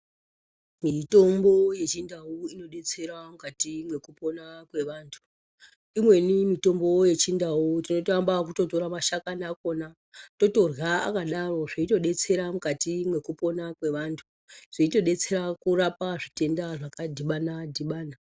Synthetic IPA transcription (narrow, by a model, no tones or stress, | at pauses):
mito̞mboje̞t͡ʃindauino̞ɗe̞t͡se̞ɾamukatimwe̞kupo̞nakwe̞ʋaːntʰu̥ | imwe̞nimito̞mbo̞je̞t͡ʃindautino̞toambak̬uto̞to̞ɾamaʃakanako̞na | to̞to̞rɣaa̰kaɗaro̞ʐeito̞ɗe̞t͡se̞ɾamukatimwe̞kupo̞nakwe̞ʋaːntʰu | ʐ̥iito̞ɗe̞t͡se̞ɾakurapaʐite̞ndaʐakadʱiɓanadʱiɓaːna